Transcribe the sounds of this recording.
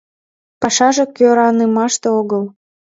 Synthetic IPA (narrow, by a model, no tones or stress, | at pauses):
pɑʃɑʒekøɾɑnəmɑʃt̪eoɣəl